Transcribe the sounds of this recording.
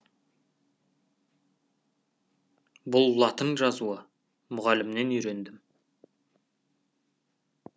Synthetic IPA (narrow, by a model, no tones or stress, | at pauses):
bʊlˠlˠɑt̪əɴʒɑzuə | mʊʁɑlɪmne̞nʏjɾe̞nd̪ɪm